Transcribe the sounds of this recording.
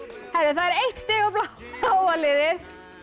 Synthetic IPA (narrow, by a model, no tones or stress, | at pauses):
hɛɾðʏθaðɛɾejht̪st̪ɪːɣapla | awalɪðɪɾ̥